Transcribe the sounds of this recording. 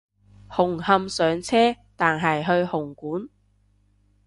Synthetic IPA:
hʊ˨˩ŋhɐ˧msœː˨˥ŋt͡sʰɛː˥ | t̪aː˨nɦɐ˨jɦɵ˧ɥhʊ˨˩ŋkuː˨˥n

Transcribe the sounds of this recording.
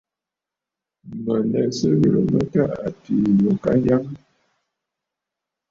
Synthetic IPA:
mə˨nɛ˨sə˦ɣə˨lə˨mə˦ta˦ʔa˨ti˨jo˨ka˦ja˦ŋ

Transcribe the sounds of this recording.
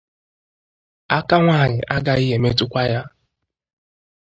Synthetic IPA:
a˦ka˦ŋʷa˦˨ɲɪ˨ʔa˦ɡa˦i˦ɦe˨me˦tʊ˦kʷa˦ja˦

